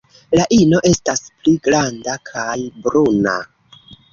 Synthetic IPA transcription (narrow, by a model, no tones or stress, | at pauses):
laʔino̞ʔe̞staspliɡɾandakʰajbɾuna̰